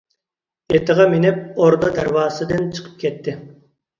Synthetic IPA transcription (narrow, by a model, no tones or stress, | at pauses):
et̪ʰɨʁɑmenɪp̚oɾd̪ɑd̪æɾwɑːsɨd̪ɨnt͡ʃʰə̥qʰə̥p̚kʲʰɛt̪ʰːɪ